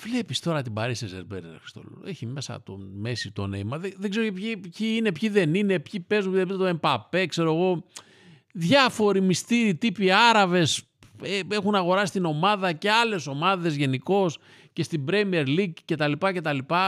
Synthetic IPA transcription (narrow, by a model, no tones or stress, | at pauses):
vle̞pist̪o̞ɾɐt̪ibɐɾisezeɾbeɾ̰nɐ̰fi̥st̪o̰l̰eçime̞sɐ̰t̪o̰me̞sit̪o̰nḛjmɐðeðeɡze̞ɾocepçipçiine̞pçiðe̞nine̞pçipe̞zmuepit̪oempɐpe̞kse̞ɾoeɣo̞ | ðʝɐfo̞ɾimist̪iɾit̪ipiɐɾɐve̞s | ee̞xunɐɣo̞ɾɐsi̥st̪ino̞mɐðɐce̞ɐle̞so̞mɐðe̞zʝe̞niko̞s | ce̞st̪ibɾemieɾliɡce̞t̪ɐlipɐce̞t̪ɐlipɐ